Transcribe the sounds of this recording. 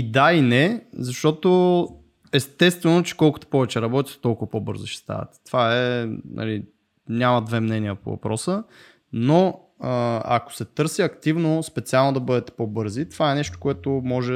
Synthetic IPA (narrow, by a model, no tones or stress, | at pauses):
id̪ainɛzɐʃt̪ɔt̪o | ɛst̪ɛst̪vɛnot͡ʃɛ̥kɔlˠkʊ̥t̪o̥pɔvɛt͡ʃɛɾɐbɔt̪i̥t̪ɛ̥t̪ɔlˠkʊvɐpobɤɾzoʃɛ̥st̪a̰vɐ̰t̪ɛ̥t̪ovaɛnʔɐ̰li | nʲaməd̪vɛmnɛniəpo̰vɐ̰pɾɔsə | no | əɐ̰ko̥sɛt̪ɤɾsiɐkt̪ivnospɛt̪sialˠnod̪ɐbɤd̪ɛt̪ɛ̥pobɤɾzit̪ov̥aɛnɛʃt̪o̥koɛt̪omɔʒɛ